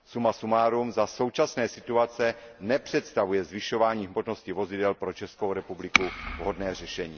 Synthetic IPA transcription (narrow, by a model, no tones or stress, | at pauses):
sumasumaːɾumzaso̞wt͡ʃasnɛːsɪt̪uat͡sɛnɛpr̝̥ɛt̪st̪avujɛzvɪʃo̞vaːɲiːɣmo̞ʒno̞scɪvo̞zɪdɛlpɾo̞t͡ʃɛskowɾɛpublɪkuvɦo̞dnɛːr̝ɛʃɛɲiː